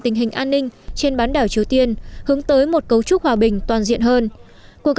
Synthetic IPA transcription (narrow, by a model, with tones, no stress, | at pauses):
t̪ï˨˧˩ŋ̟ɦï˨˩ŋ̟ʔaː˧nːï˧ŋ̟t͡ɕe˧nɓaː˨˦nɗaː˧˩wt͡ɕi˨˦əwt̪i˧ənhɨ˨˦əŋt̪əː˨˦jmo˨˩t̚kə˨˦wt͡ɕʊ˦˥k̚hwaː˨˩ɓï˨˩ŋ̟t̪waː˨˩nzḭ˧˨ənɦəː˧n | ku˧˨˩ək̚